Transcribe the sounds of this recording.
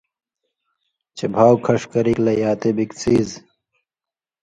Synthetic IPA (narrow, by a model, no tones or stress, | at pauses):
t͡ɕebʱaːwkʰɐʂkɐɾiklɐjaːt̪ebikt͡siːz